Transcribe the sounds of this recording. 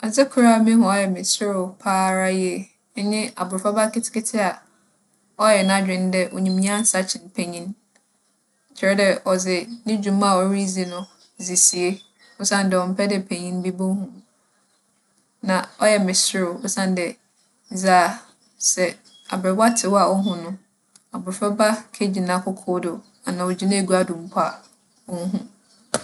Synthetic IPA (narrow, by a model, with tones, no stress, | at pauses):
a˨zɪ˦kʰu˨ɾa˦˨mĩ˦hʊ̃˨ɔ˦jɛ˨mɪ̃˨sɪ˦ɾʊ˨pʰaː˦ɾa˦ji˦e˨˦ | ɲɪ̃˦a̰˨bʊ˨ɾfa˦ba˦kɪ˦tʰɪ̥˦kɪ˦tʰɪ˦a˨ | ɔ˦jɛ˨nã˦d͡ʑᶣɪ̃˨n˦dɛ˦ʔo̰˨ɲĩ˨mĩ˦ã˦n̩˦sa˦t͡ɕʰɪ̃˨npʰe˨ɲĩ˦n˨ | t͡ɕʰɪ˨ɾɛ˦dɛ˦ɔ˨zɪ˨nɪ̃˦d͡ʑᶣũ˨m˦a˨ɔ˨˦ɾi˦zi˨nʊ̃˦ | zi˨si˨e˦ | ʊ˦sã˦n˨dɛ˨ɔ˨m̩˦pʰɛ˦dɛ˦˨pʰe˨ɲĩ˦n˦bi˦bo˦hũ˨ | nã˨ɔ˦jɛ˨mɪ̃˨sʊ˦ɾʊ˨ʊ˦sã˦n˦dɛ˨˦ | zaː˨ | sɛ˨ | a̰˨bɾɛ˨ba˦tʰɪ˨wɔ˦a˨ɔ˦ɦʊ̃˨nʊ̃˦ | a˨bʊ˨ɾfɛ˦ba˦kʰe˦d͡ʑi˨nã˦kʰʊ˦kʰʊː˦dʊ˨ | a˨nã˨wɔ˨d͡ʑi˨˦nã˦e˨ɡu˦a˦dũ˨m̩˨˦pʰa˦˨ | wɔ̃˦n̩˦ɦũ˦